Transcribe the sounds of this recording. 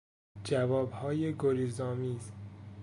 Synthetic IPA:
d͡ʒævɒːbhɒːjeɡoɾizɒːmiːz

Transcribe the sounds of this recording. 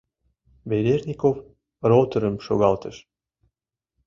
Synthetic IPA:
beɾʲerʲnʲikof | rot̪ə̆ɾə̆mʃoɣɑlt̪ə̆ʃ

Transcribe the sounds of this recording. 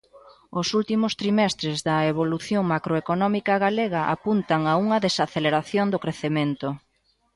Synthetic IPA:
ʊsult̪imʊst̪ɾimɛst̪ɾezðɐeβ̞oluθjoŋmakɾoekonɔmikɐɣaleɣɐʔa̰punt̪aŋauŋɐðesaθeleɾaθjond̪okɾeθemẽnt̪ʊ

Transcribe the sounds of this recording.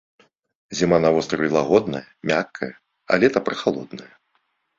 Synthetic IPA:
zʲimanavɔst̪ɾɐvʲilˠaɣɔd̪nɐjɐmʲakʰːɐjɐ | a̰lʲɛt̪ɐpɾɐxalˠɔ̰d̪nɐjɐ

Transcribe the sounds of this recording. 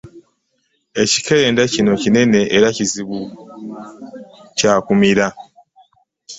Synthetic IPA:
e̞ci̥kʰeeːndacino̞cine̞ne̞ʔːɾaciziβu | caːkumiɾa

